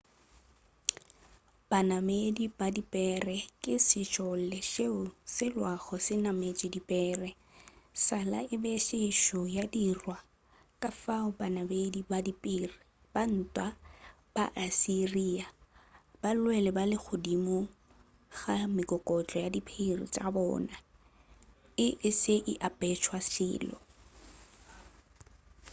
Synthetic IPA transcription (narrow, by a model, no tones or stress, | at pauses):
b̥anamedib̥adipʼɛːrɛkʼɪsɪt͡ʃʼɔl̩lɛʃeʊsɪlwaɣɔsɪnamet͡ʃʼɪdipʼɛːrɛ | sala̰ɪbeʃɪʃɔjadirwa | kʼafaʊbanamedibadipʼɪːrɪ | b̥an̩ːtʼwa | b̥aʔasiriːab̥alʊwɛlɛbalɪk͡xʰʊdimo | ɣamɪkʼɔkʼɔt͡ɬʼɔjadipʰerḭt͡ʃʼabɔ̰ːna | ɪʔɪsɪʔɪʔapʼɛt͡ʃʰwasɪ̰ːlɔ̰